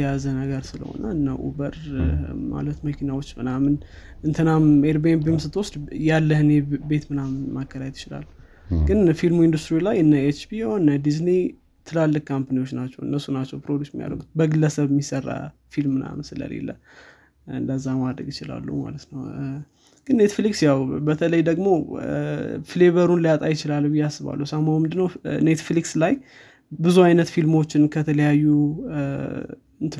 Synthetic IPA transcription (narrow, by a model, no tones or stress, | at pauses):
jazənəɡəɾsɨlə̰ho̞̰nə̰ɨnːaʔṵbəɾma̰lət̪məkʰinawot͡ʃːmɨnamɨnɨnt̪ʰɨnameɾbenbimsɨt̪wɔsd̪jalːəhɨnɛbe̞t̪mɨnamːakʰːəɾajt̪ɪ̥t͡ʃɪla̰lː | ɡɨnfilmuind̪ust̪ɾilajɨnːəet͡ʃbijonːəd̪izni | t̪ʰɨlalːɨkkʰːampaniwo̞t͡ʃːnat͡ʃːɛwʔɨnːəsːunat͡ʃːɛwpɾod̪ustmija̰lə̰ɡut̪̚bəɡɨlːəsəβɨmːisərːa̰ | filmna̰msɨlə̰lḛlːə | ɨnd̪əzːamad̪ɾəɡjɪt͡ʃɪla̰lːuwma̰lət̪nəw | ɡ̥ɨnːe̞t̪fliksjawbət̪ʰələjd̪əɡmo̞ | fle̞βəɾunlijat̪ʼajɪt͡ʃɪlalːubɨjːasːɨβa̰lːuwsamawmɨnd̪ɨnːəwne̞t̪flikslaj | bɨzuajnət̪filmo̞t͡ʃːɪnkʰət̪ʰələjajːu | ɨnt̪